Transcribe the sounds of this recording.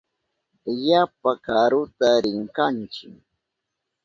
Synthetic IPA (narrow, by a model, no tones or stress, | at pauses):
jap̚akaɾʊt̪aɾɪŋkant͡ʃɪ